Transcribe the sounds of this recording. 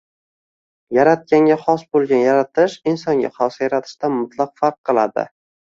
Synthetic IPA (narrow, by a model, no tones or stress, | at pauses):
jaɾat̪̚kʲaŋɡʲaχɒsbolˠɡʲanjaɾat̪ʰɪʃɪnsɒŋɡʲa̰χɒsajaɾat̪ʰɪ̥ʃt̪anmʊt̪ʰlˠɑqfaɾqʰːɨlˠa̰d̪ɪ̰